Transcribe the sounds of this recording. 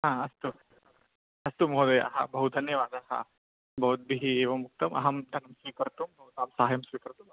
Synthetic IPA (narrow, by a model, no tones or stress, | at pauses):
ɦãːɐst̪u | ɐst̪umɦoːd̪ɐjɐ̰ɦɐ̰bɐɦud̪ʱɐnjɐʋaːd̪aɦa̰ | bʱɐɦut̪̚biɦieːʋɐmuk̚t̪ɐmɐ̰ɦɐmd̪ʱɐnɐmsʋiːkɐɾt̪umbɐɦut̪aːmsaːɦɐjɐmsʋikɐɾt̪um